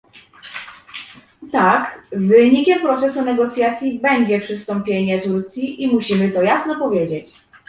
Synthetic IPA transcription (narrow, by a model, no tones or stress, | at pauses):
t̪akvɘɲikʲɛmpɾɔt̪sɛsunɛɡɔt̪sʲjat̪sʲjibɛɲd͡ʑɛpʂɘst̪ɔmpʲjeɲɛt̪uɾt̪sʲjiʔimuɕimɘt̪ɔjasnɔpɔvʲjed͡ʑet͡ɕ